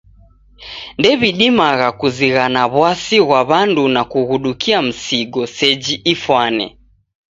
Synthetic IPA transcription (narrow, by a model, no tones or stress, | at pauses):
ndɛβiɗimaɣakuziɣanaβwasiɣwaβandunakuɣuɗukʰiam̩siɡɔsɛd͡ʒiʔifwanɛ̰